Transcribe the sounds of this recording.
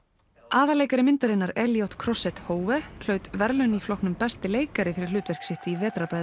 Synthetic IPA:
aːðaleːjkaɾɪmɪnt̪aɾɪnːaɾɛljowht̪kʰɾɔsɛt̪hoːwvɛl̥œɥt̪vɛɾlʏniflɔwhknʏmpɛst̪ɪleːjkaɾɪfɪɾɪlʏːt̪vɛr̥ksɪht̪ɪivɛːt̪ɾapɾajðʏ

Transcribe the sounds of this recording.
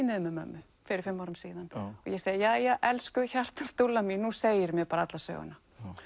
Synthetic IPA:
nɪðʏmɛmœ̰mːʏ | fɪɾɪɾ̥fɪmːawɾʏmsiːðanɔ̰jɛseːjðɪjaːjɛɣʔɛlskʏçar̥t̪ḁst̪ulːaminuseːjɪɾmjɛpaːɾaat̪lasœ̰ːɣʏ̰na

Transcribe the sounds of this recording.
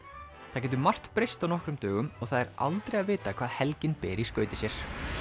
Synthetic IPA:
θacɛːt̪ʏɾmar̥t̪pɾejst̪awnɔhkɾʏmt̪œːɣʏmɔɣθaðɛɾa̰lt̪ɾejaðvɪːt̪akʰvaːðhɛlcɪnpɛːɾiskœɥt̪ɪsjɛɾ̥

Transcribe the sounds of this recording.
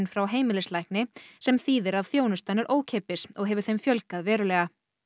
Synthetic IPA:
nfɾawɦeːjmɪlɪslajhknɪsɛmθiːðɪɾaðθjoːwnʏst̪anɪɾʔoːwcʰeːpɪsɔɣɦɛvʏɾ̥θejmfjœlkaðvɛːɾʏlɛːɣa

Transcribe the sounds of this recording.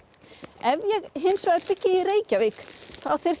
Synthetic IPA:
ɛvjɛɣɦɪnsvajðpɪcːɪireːjcavɪkθaðθɪr̥

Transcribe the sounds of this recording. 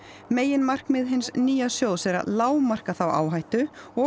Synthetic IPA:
meːjɪnmar̥kmɪðɦɪnsniːjasjoːwðsɛɾa̰laːwmar̥kaθawa̰ːwɦajht̪ʏɔ

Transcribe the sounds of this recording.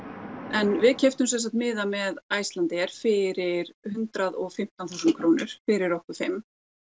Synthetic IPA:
ɛnvɪðcʰɛft̪ʏms̬ɛnsaht̪mɪːðamɛðaːjst̪lant̪ɛɛɾ̥fɪɾɪɾhʏnt̪ɾaðɔɣfɪm̥t̪anθuːsʏnkʰɾoːwnɪɾ̥fɪɾɪɾowhkʏ̥fɪm

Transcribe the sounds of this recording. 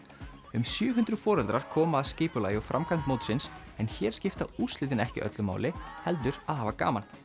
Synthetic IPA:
ʏmsjœːɦʏnd̪ɾʏð̥fɔːɾɛlt̪ɾaɾ̥kʰɔːmaaðscɪːpʏla̰ːjɔfɾʔamkʰan̥t̪moːwt̪sɪns | ɛnçɛːɾ̥scɪft̪auːst̪lɪːt̪̬ɪnɛhcɪ̰ʔœ̰t̪lʏma̰ːwlɪhɛlt̪̬ʏɾaðhaːvaka̰ːman

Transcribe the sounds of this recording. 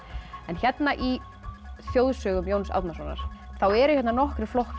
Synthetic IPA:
ɛnçjɛt̪naʔi | θjoːwðsœːɣʏmjoːwnsa̰ðt̪nasɔnːa̰ɾ̥θawɛɾʏ̥çɛt̪nanɔhkɾɪflɔhk

